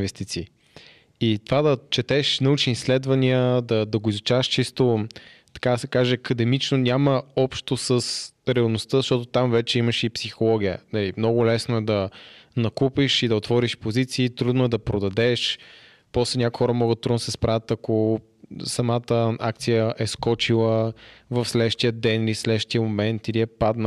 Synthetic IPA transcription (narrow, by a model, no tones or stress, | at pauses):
vɛst̪it̪siː | it̪ovad̪ɐt͡ʃɛt̪ɛʃnɐut͡ʃniːslɛd̪vɐniəd̪ɐd̪ɐɡoizʊt͡ʃavəʃt͡ʃist̪o | t̪ɐ̥kad̪ɐsɛ̥kaʒɛɐkəd̪ɛmit͡ʃnonʲaməɔpʃt̪osəsɾɛɐlˠnost̪əzəʃt̪ɔt̪ot̪amvɛt͡ʃɛiməʃɛipsixolˠɔɡʲijə̰nɐlimnɔɡʊlɛsnoɛd̪ɐnɐkupiʃid̪ɐot̪vɔɾiʃpozit̪siːt̪ɾud̪nʊɛd̪ɐpɾod̪ɐd̪ɛʃ | pɔslɛnʲakuixɔɾəmɔɡəd̪̚t̪ɾud̪nosɛspɾavət̪ɐko | sɐmat̪əak̚t̪sijəʔɛskɔt͡ʃilˠəvɐfslɛʃt̪ijəd̪ɛnilislɛd̪ʃt̪ijəmomɛnt̪iliɛpad̪n